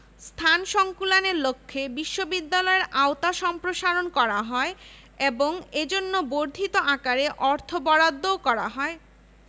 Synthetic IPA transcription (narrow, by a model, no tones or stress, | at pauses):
st̪ʰanʃɔŋkulaneɾlokʰːebiʃːobid̪ːalɔeɾʔaot̪aʃɔmpɾoʃaɾonkɔɾaɦɔe | eboŋed͡ʑonːoboɾd̪ʱit̪oakaɾeʔɔɾt̪ʰobɔɾad̪ːokɔɾaɦɔe